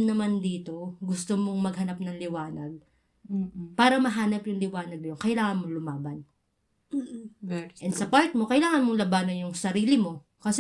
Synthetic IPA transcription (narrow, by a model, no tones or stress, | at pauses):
nɐmand̪iːt̪o̞ɡʊst̪omoŋmɐɡhɐnap̚nɐŋlɪwaːnɐɡ̚ | paːɾɐmɐɦaːnɐpjʊŋlɪwaːnɐɡ̚njonkɐɪlaːŋɐnmolʊmaːbɐn | ʔɛnd̪sɐpaɹt̪̚mo̞kɐɪlaːŋɐnmolɐbanojʊŋsɐɾiːlɪmo̞ | kɐsɛ